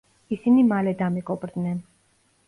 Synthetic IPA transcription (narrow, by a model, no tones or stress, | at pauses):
isinimalɛd̪amikʼɔbɾd̪nɛn